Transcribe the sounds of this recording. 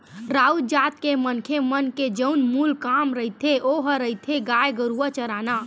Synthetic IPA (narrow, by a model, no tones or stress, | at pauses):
ɾaud͡ʒat̪̚kemənkʰemənked͡ʒəunmulkamɾəɦit̪ʰeʔoɦəɾəit̪ʰeɡajɡəɾuət͡ʃəɾana